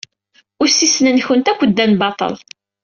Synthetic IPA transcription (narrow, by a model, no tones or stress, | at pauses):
ʊɾsisnənçənt̪ækʷːəd̪ːænbɑt̪ˤə̰l